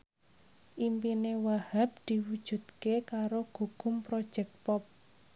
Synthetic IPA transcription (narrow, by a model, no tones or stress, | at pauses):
ʔimpinewahap̚d̪̥i̤wud̥ʒ̥ṳd̪̚kekaɾoɡ̥uɡ̥ʊmpɾɔd̥ʒ̥ɛk̚pɔp̚